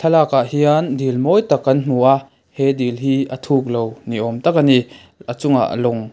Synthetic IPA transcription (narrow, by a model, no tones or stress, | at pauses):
t̪ʰɐlaːkaɦiand̪ilmɔjt̪akːɐnn̥uʔa | hɛd̪ilɦiːʔɐt̪ʰuk̚lowniʔɔmt̪ak̚ani | at͡sʊŋa̰ʔlɔŋ